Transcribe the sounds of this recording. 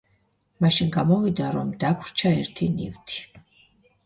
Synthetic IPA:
maʃinɡamɔvid̪aɾɔmd̪akʰɾt͡ʃʰaɛɾt̪ʰinḭvt̪ʰi̥

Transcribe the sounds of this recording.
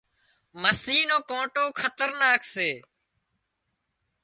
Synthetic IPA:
məsiːnoːkõːʈoːkʰət̪əɾnaːkseː

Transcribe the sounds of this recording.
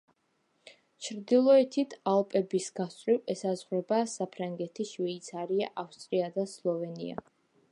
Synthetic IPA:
t͡ʃʰɾd̪ilˠɔɛt̪ʰit̪ʰalˠpʼɛbisɡast̪ʼɾiɛsazʁɾɛbasapʰɾaŋɡɛt̪ʰiʃvɛit̪sʰaɾiaʔafst̪ʼɾiad̪aslˠɔvɛnḭa̰

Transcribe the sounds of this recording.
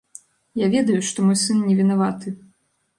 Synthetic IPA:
javʲɛd̪ɐjuʂt̪ɔmɔjsɨnnʲɛvʲinavat̪ɨ

